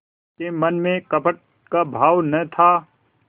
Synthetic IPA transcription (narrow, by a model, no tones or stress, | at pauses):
kemɐnmẽkəpəʈ̚ | kabʱaːwnət̪ʰaː